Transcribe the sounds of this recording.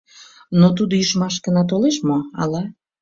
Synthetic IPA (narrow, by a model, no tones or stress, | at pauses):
not̪ud̪oyʃmɑʃkənɑt̪oleʃmoɑ̰lɑ